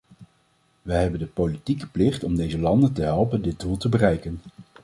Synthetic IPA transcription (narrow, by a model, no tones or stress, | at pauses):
ʋəɦɛbəndəpowlitikəplɪχtɔmdejzəlɑndəntəɦɛlˠpəndɪd̚dulˠtəbərɛjkən